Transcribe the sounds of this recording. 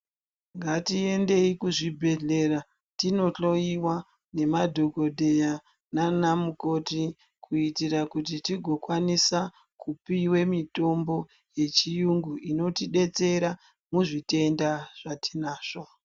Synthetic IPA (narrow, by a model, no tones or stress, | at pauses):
ŋɡatie̞nde̞ikuʐibʱe̞ɮe̞ra | tino̞ɬo̞iwa | ne̞madʱo̞ɡo̞dʱe̞ja | nanamuko̞ti | kuitirakutitiɡʱo̞kwanisa | kupiwe̞mito̞mbo̞ | je̞t͡ʃijuŋɡuino̞tiɗe̞t͡se̞ɾa | muʐite̞ndaʐ̥atinaːʐ̥o